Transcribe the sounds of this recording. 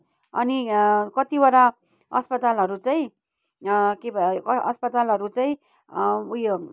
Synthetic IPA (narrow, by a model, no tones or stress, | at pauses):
ʌnikʌt̪ibaɾa | ʌspʌt̪alʌɾut͡saĩ | kebʱʌʌspʌt̪alʌɾut͡saĩ | ujo